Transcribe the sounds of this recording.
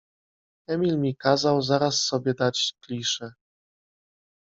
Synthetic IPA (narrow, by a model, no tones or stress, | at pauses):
ɛmʲilmʲikazawzaɾasːɔbʲjɛd̪at͡ɕklʲiʂɛ